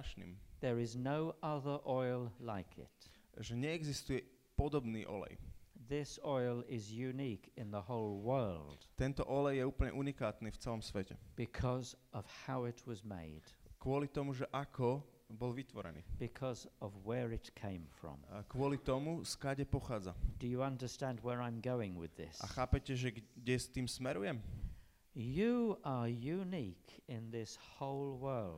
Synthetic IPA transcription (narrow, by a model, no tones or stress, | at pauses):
aʃnḭːmðə˞ɪznoʊʔʌðə˞ʔɔɪlˠlaɪkʰɪ̰t | ʒɛɲɛːɡzist̪ujɛ | pɔd̪ɔbniːʔɔ̰lɛ̰jðɪsɔɪlˠɪzjʉnikɪ̃nðəhoʊlˠwɜ˞lˠd̥t̪ɛnt̪ɔʔɔlɛjjɛuːpl̩ɲɛ̰ʔunikaːt̪niːft͡sɛlɔmsʋɛcɛ̰b̥ɨkʰʌzʌv̥haʊɪt̚ʰwʌzmḛɪd̥kʊɔlit̪ɔmuʒɛʔakʰɔ | bɔlʋit̪ʋɔɾɛ̰nḭːb̥ɪkʰʌzʌvwəɹɪtkʰẽɪ̃ɱfɹə̰̃mkʋʊɔlit̪ɔmuskaɟɛpɔxaːd͡zad̥ɨjəʌ̃ndəstæ̃ndwəɹãɪ̃mɡoʊɪ̃ŋwɪ̰ðɪ̰sa̰xaːpɛcɛʒɛɡɟɛst̪iːmsmɛɾujɛm | jɨə˞jʉnikʰɪ̃nðɪshoʊlˠwɜ˞lˠd̥